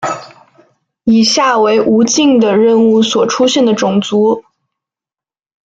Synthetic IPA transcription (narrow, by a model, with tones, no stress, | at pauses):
i˨˩ɕja˥˩we˧˥ɪʔu˧˥t͡ɕi˥˩ŋd̪ə˨˩ɻə˥˧nu˥˩swɔ˨˩ʈ͡ʂʰu˥ɕjɛ˥˩nd̪ə˩ʈ͡ʂʊ˨˩ŋt͡su˧˥